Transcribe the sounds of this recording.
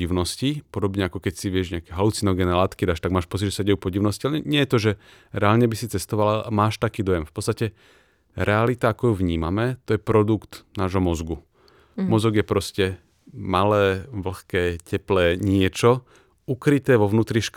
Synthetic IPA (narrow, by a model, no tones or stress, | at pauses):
iʊnɔscipɔd̪ɔbɲɛakɔkɛcsiʋɪɛʒɲɪakɛːɦalut͡sinɔɡɛnɛːlaːt̪kid̪aːʃt̪aɡ̚maːʃpɔt͡siɟʒɛsaɟɛjupɔɟiʊnɔscialɛɛɲɪɛjɛt̪ɔʒɛ | ɾɛaːlɲɛbisit͡sɛst̪ɔʋalaamaːʃt̪akiːd̪ɔjɛmfpɔt͡sst̪acɛ | ɾɛalit̪aakɔjuʋɲiːmamɛt̪ɔjɛpɾɔd̪ukt̪naːʒɦɔmɔzɡu | mɔzɔɡjɛpɾɔscɛ | malɛːʋl̩xkɛːcɛplɛːɲɪɛt͡ʃɔ | ukɾit̪ɛːʋɔʋnuːt̪ɾiʃk